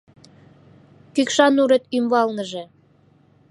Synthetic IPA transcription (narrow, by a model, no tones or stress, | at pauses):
kykʃɑnuɾet̪ymβɑlnə̆ʒĕ